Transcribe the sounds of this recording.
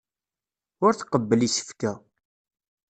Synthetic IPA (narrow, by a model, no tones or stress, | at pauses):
ʊɾθqəbːəlisə̥fkæ